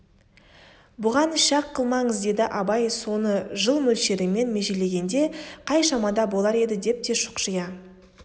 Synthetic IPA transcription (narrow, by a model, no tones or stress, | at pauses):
bʊʁɑnʃɑqʰːəlˠmɑɴəzd̪e̞d̪ɪʔɑbɑjso̞nəʒəlˠmɵlʃe̞ɾɪme̞nme̞ʒe̞le̞ɡʲe̞nd̪e̞qʰɑjʃɑmɑd̪ɑbo̞lˠɑɾe̞d̪ɪd̪e̞p̚t̪e̞ʃʊ̥qʒəjɑ